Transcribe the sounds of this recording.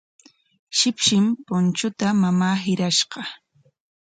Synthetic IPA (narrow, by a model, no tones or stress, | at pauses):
ʃɪpʃɪmpʊnt͡ʃʊt̪amamaːɦɪɾaʃɢɑ